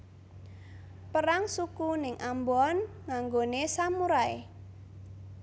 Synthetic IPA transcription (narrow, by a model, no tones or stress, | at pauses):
pəɾaŋsukunɪŋʔambɔn | ŋaŋɡonesamuɾaḛ